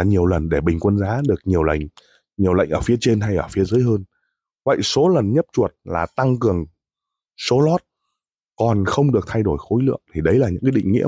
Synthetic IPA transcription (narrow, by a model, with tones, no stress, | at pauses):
ɲi˨˩əwlə˨˩nɗe˧˩ɓï˨˩ŋ̟kwə˧nzaː˨˦ɗɨ˨˩ək̚ɲi˨˩əwla̰˧˨jŋ̟ | ɲi˨˩əwla̰˧˨ŋ̟ʔəː˧˩fi˨˦ət͡ɕe˧nɦa˧jʔəː˧˩fi˨˦əzəː˨˦jɦəː˧n | və̰˧˨jso˨˦lə˨˩nɲə˦˥p̚t͡ɕu˨˩ət̚laː˨˩t̪a˧ŋkɨ˨˩əŋ | so˨˦lɔ˦˥t̚ | kɔ˨˩nxə˧wŋ͡mɗɨ˨˩ək̚t̪ʰa˧jɗo˧˩jxo˨˦jlɨ̰˧˨əŋt̪ʰi˨˩ɗə˨˦jlaː˨˩ɲɨ̰˧˥kaː˨˦ɗḭ˧˨ŋ̟ŋḭ˧˥ə